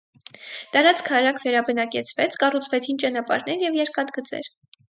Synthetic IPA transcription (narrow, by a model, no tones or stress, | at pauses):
t̪ɑɾɑt͡skʰɑɾɑkʰvɛɾɑbənɑkɛt͡sʰvɛt͡sʰkɑrut͡sʰvɛt͡sʰint͡ʃɑnɑpɑ̰ɾnɛɾjɛvjɛɾkɑt̪ɡət͡sɛ̰ɾ